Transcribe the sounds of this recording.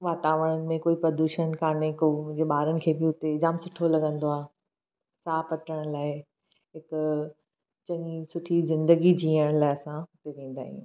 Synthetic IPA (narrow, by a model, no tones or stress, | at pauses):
ʋaːt̪aːʋəɽ̃ənɪ̆mẽkoːipɐd̪uːʃənkaːnekoʊ̃ɦd͡ʑeɓaːɾənɪ̆kʰeːbɪʊt̪eɪzaːmsʊʈʰolɐɠə̃nd̪oaːɦ | saːpɐʈəɽ̃laːɪ | ɦɪk | t͡ɕɐ̃ɲisʊʈʰizɪ̃nd̪əɡid͡ʑiːəɽ̃laːɪɐsãʊt̪eʋẽːn̆d̪a̰ːɦḭ̃ṵ̃ː